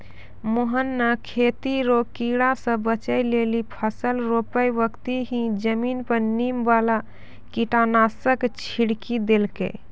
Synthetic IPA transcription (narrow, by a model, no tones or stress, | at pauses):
moɦənːəkʰet̪iɾokiɽasə̃bət͡ʃəjlelipʰəsəlɾopəjbəkt̪iɦĩd͡ʒəminpəɾnimbala | kiʈanasəkt͡ʃʰiɽkid̪elkḛ